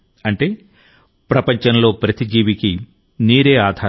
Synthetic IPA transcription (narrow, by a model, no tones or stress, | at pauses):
ɐɳʈe̞ː | pɾɐpɐɲt͡ʃɐnlo̞ːpɾɐt̪id͡ʒiːʋiki | niːɾe̞ːaːd̪ʱaː